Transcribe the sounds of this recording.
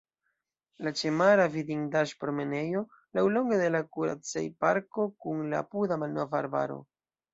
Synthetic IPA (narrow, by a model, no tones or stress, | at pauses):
lat͡ʃe̞maɾavidiŋdaʃpɾome̞ne̞jo̞ | lawlo̞ŋɡede̞lakuɾa̰t͡sa̰jpaɾko̞kunla̰pudamalno̞vaaɾba̰ɾo̞̰